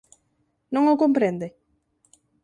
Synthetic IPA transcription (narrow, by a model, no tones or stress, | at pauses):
nõŋokõmpɾẽnd̪e